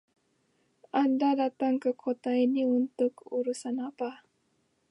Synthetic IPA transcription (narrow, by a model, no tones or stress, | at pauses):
ʔandadat̪aŋkəkʰot̪ainiunt̪ʊkuɾusanapa